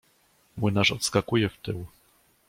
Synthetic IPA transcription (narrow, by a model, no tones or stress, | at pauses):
mwɘnaʂɔt̪skakujɛft̪ɘw